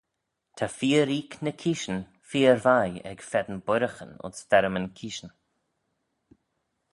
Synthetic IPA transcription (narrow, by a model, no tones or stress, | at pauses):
t̪ʰafiːəɾiːknəkʰiːʃən | fiːəɾvajɛ̰ɡ̥fɛd̪ənbʊɾəxə̰nʊ̰nsfɛɾəmənkʰiːʃən